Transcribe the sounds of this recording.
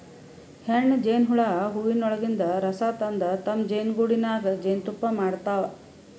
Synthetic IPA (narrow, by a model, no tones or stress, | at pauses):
heɳːd͡ʒeːnɦuɭaːɦuʋinɔɭɐɡind̪ɐɾɐsaːt̪ɐnd̪ɐt̪ɐmd͡ʒeːnɡuːɽinaːɡɐd͡ʒeːnt̪upːɐmaːɽt̪aːʋɐ